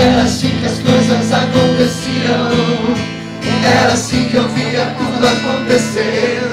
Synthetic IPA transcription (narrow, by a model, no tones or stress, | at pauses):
ɛɾɐsĩkɐskojzɐzakõnt̪esiɾɐ̃ | ɛlɐsĩowviɾɐt̪ud̪akõnt̪ese